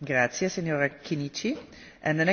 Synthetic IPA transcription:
ɡɾat̪sjeseɲoːɾakʰinit͡ʃi | ɛ̃nd̪ənɛ

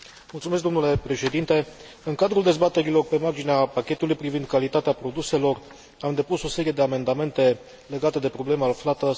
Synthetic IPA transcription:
mult̪sumeskd̪o̞mnule̞pɾe̞ʃe̞d̪int̪e̞ | ɨŋkad̪ɾuld̪e̞zbat̪e̞ɾilo̞rpe̞mard͡ʒineapakʲe̞t̪ulujpɾivind̪̚kalit̪at̪eapɾo̞d̪use̞lo̞r | amd̪e̞puso̞se̞ɾije̞d̪e̞ame̞nd̪ame̞nt̪e̞ | le̞ɡat̪e̞d̪e̞pɾo̞ble̞malflat̪ə

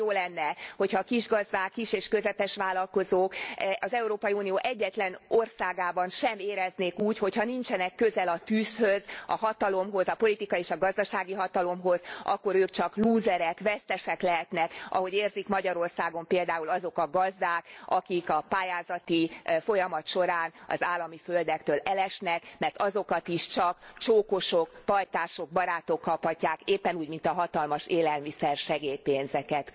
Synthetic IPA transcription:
joːlɛnːɛho̞chɒːkiʒɡɒzd̪aːkːiʃeːʃkøzɛpɛʃʋaːlɒlko̞zoːkɒzɛuɾoːpɒiuːnijoːʔɛɟːɛt̪lɛno̞rsaːɡaːbɒnʃɛmeːɾɛzneːkuːcho̞chɒnint͡ʃɛnɛkːøzɛlɒt̪yːshøzɒ̰ɦɒt̪ɒlo̞mɦo̞zɒpo̞lit̪ikɒeːʃɒɡɒzd̪ɒʃaːɡiɦɒt̪ɒlo̞mɦo̞zɒ̰kːo̞ɾøːkt͡ʃɒkluːzɛɾɛkʋɛst̪ɛʃɛklɛɦɛt̪nɛkʔɒ̰ɦo̞ɟeːrzikmɒɟɒɾo̞rsaːɡo̞mpeːld̪aːulɒzo̞kɒɡɒzd̪aːkɒkikɒpaːjaːzɒt̪ifo̞jɒmɒt̪ʃo̞ɾaːnɒ̰zaːlːɒmiføld̪ɛkt̪øːlɛlɛʃnɛkmɛrt̪ɒzo̞kɒt̪iʃt͡ʃɒkt͡ʃoːko̞ʃokpɒjt̪aːʃo̞ɡ̚bɒɾaːt̪o̞kːɒphɒcːaːkeːpːɛnuːɟmint̪ɒɦɒt̪ɒlmɒʃeːlɛlmisɛrʃɛɡeːjpeːnzɛkɛt̪

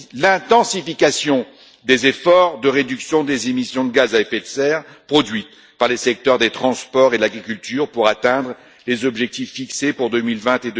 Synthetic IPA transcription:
lɛ̃t̪ɑ̃sifikasjɔ̃ | d̪ezefɔʁd̪əʁed̪yksjɔ̃d̪ezemisjɔ̃d̪əɡazaɛfɛt̪sɛʁpχɔd̪ɥit̪ | paʁlesɛk̚t̪œʁd̪et̪χɑ̃spɔʁed̪əlaɡʁikʲylt̪yːʁpuʁat̪ɛ̃d̪ʁ | lezɔbʒɛk̚t̪ifːiksepuʁd̪ømilvɛ̃t̪ed̪

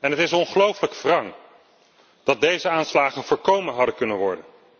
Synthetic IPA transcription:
ɛnɦətɪsnɔnχəlowfələkfrɑŋ | d̥ɑt̚dejzəaːnslaːχənvoːɹkowmənɦɑdəkɵnənʋɔɹdən

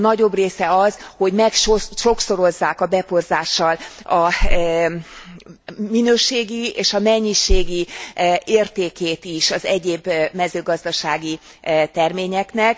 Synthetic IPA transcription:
nɒɟo̞breːsɛɒz̥ho̞ɟmɛkʃoʃo̞kso̞ɾo̞zːaːkɒbɛpo̞rzaːʃːɒlɒ | minøːʃeːɡieːʃɒmɛɲːiʃeːɡi | eːrt̪eːkeːt̪iʃɒzɛɟeːbmɛzøːɡɒzd̪ɒʃaːɡi | t̪ɛrmeːɲɛknɛk

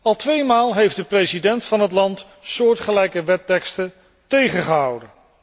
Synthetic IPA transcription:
ɑlˠtʋejmaːlˠɦejftdəprejzidɛntfɑnɦətlɑnt | sʊːɹtχəlɛjkəʋɛtɛkstə | tejχəχəɦɑ̰wdən

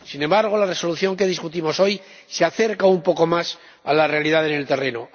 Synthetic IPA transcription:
sinẽ̞mbaɾɣ̞olare̞so̞luθjo̞ŋke̞ð̞iskut̪imo̞so̞j | seaθe̞ɾkaumpo̞ko̞mas | alare̞alið̞aðene̞lt̪e̞re̞no

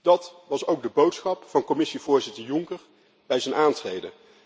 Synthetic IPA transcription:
d̥ɑtʋɑsowɡ̚dəbowtsχɑpfɑnkɔmɪsiv̥ʊːɹzɪtəɹjʊŋkəɹ | b̥ɛjzənʔaːntrejdə

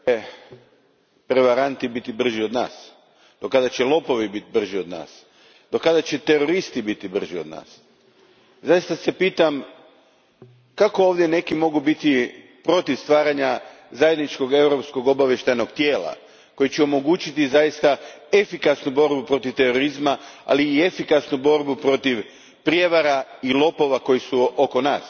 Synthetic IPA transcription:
e | pɾeʋaɾant̪ibit̪ibr̩ʒio̞d̪na̰ːs | d̪okad̪at͡ɕe̞lˠo̞po̞ʋibit̪ibr̩ʒio̞d̪na̰ːs | d̪̥o̞kad̪at͡ɕet̪e̞ɾo̞ɾist̪ibit̪ibr̩ʒio̞d̪na̰ːs | zajist̪ase̞piːt̪am | kako̞oːʋd̪je̞ne̞kimo̞ɡubit̪i | pɾo̞t̪iʋst̪ʋaːɾaɲa | zajed̪nit͡ʃko̞ɡe̞wɾo̞psko̞ɡo̞baʋjeʃt̪ajno̞ɡt̪je̞ːla̰ | ko̞jit͡ɕɛo̞mo̞ɡuːt͡ɕit̪izajist̪ae̞fikasnubo̞ɾbupɾo̞t̪iʋt̪e̞ɾo̞ɾizmaa̰liːe̞fikasnubo̞ɾbupɾo̞t̪iʋ | pɾije̞ʋaɾailˠo̞po̞ʋako̞jisuoko̞na̰ːs

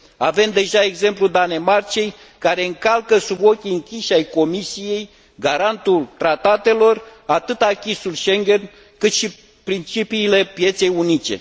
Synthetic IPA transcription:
ave̞md̪e̞ʒae̞ɡze̞mplud̪ane̞mart͡ʃe̞j | kaɾe̞ɨŋkalkəsubo̞kʲiɨŋkʲiʃajko̞misije̞j | ɡaɾant̪ult̪ɾat̪at̪e̞lo̞rat̪ɨt̪akʲisulʃe̞ŋɡʲe̞n | kɨt̪ʃi | pɾint͡ʃipiːle̞pje̞t̪se̞junit͡ʃe̞̰

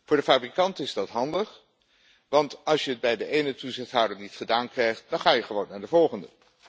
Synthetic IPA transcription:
vʊːɹdəfaːbrikɑntɪzdɑtɦɑndəχ | ʋɑntɑlˠsjəəd̚bɛjdəʔejnətuzɪχtɦawdənnitχədaːnkrɛjχt̚dɑnχaːjəχəʋownːaːɹdəvɔlˠχəndə

